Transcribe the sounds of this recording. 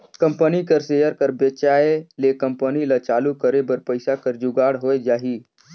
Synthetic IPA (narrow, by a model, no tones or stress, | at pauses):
kəmpənikəɾseːjəɾkəɾbet͡ʃaːelekəmpənilat͡ʃaːlukəɾebəɾpəɪsakəɾd͡ʒuɡaːɽɦoːed͡ʒaːɦiː